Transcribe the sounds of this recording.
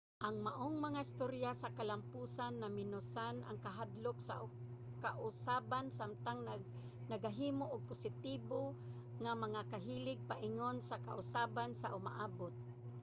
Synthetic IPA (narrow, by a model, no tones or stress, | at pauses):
ʔaŋmaʔoŋmaŋaɪst̪oɾjasakalampuːsanːamɪnʊsana̰ŋkaɦad̪lʊksa̰ | kaʔʊsaːbansamt̪aŋ | naɡaɦiːmoʔʊɡ̚pʊsɪt̪iːbo | ŋamaŋakaɦiːlɪɡ̚paʔɪŋonsakaʔʊsaːbansaʔʊma̰ʔaːbʊt̪̚